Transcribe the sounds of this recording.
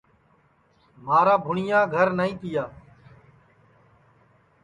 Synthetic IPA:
maːɾaːbʱʊɳɪjãːɡʱəɾnəĩːp̪ɪjaː

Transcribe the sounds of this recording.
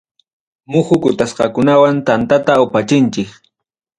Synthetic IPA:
mʊxʊkʊt̪asqɑkʊnawant̪ant̪at̪aʊpat͡ʃɪnt͡ʃɪk

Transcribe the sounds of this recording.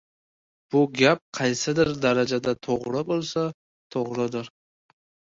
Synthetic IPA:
b̥ʊɡʲap̚qʰɑjsɪd̪ɪɾd̪aɾad͡ʒad̪at̪ʰoʁɾɪbolˠsa | t̪ʰoʁɾɪd̪ɪɾ

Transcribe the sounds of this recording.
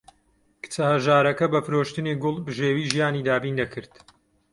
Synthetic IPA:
kɨ̥t͡sɐhɐʒaːɾɐkɐbɐfɨɾoːʃt̪ɨniɡʊlˠbɨʒeːwiːʒijaːniːd̪aːbiːnd̪ɐkʰɨɾt̪

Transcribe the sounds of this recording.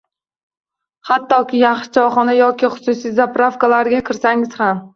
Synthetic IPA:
hat̪ːɒkʲʰɪjaχʃɪ̥t͡ʃʰɒχɒnajɒkʲɪχʊ̥sʊsijzapɾafkalaɾɡʲakʲʰɪɾsaŋɪz̥ham

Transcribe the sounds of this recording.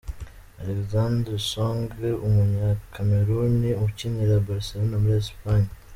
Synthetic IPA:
alekzandɾesoŋɡumuɲakʰameɾuniumuciniɾabaɾselonamuɾiespaɲa

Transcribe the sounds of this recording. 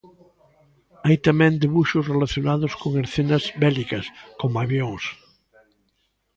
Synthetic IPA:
ajt̪amɛ̃nd̪eβuʃozrelaθjonað̞oskoŋeɾθenazbɛlikɐskomaβjõŋs

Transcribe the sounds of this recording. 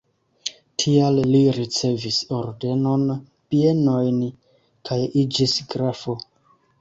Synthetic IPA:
tʰialliɾit͡se̞viso̞ɾde̞no̞n | pie̞no̞jn | kʰajid͡ʒisɡɾafo̞

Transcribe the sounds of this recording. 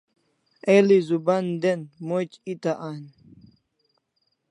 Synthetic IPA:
elizuband̪enmot͡ʃit̪aʔan

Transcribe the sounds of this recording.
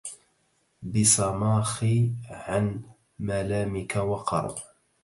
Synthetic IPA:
bɪsˤɑmɑːxiʕan | malaːmɪkawɑqɑ̰ɾˤb

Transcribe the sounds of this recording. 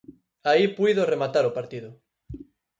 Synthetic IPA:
aipujðoremat̪aɾopaɾt̪iðʊ

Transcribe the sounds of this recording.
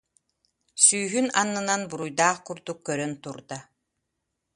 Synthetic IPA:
syːɦynanːɯnanbuɾujd̪aːχkuɾd̪ukːœɾœnt̪uɾd̪a

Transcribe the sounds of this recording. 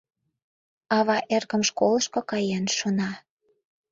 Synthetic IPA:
ɑβɑʔerɣə̆mʃkolə̆ʃkokɑjenʃonɑ

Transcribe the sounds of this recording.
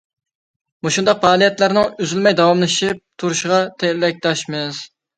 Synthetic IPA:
muʃund̪ɑqfɑːlˠijɛt̪læɾnɪŋyzylmɛjd̪ɑwɑmlˠɨʃip̚t̪ʰuɾuʃʁɑt̪ʰɛlɛk̚ʲt̪ɑʃmɪz̥

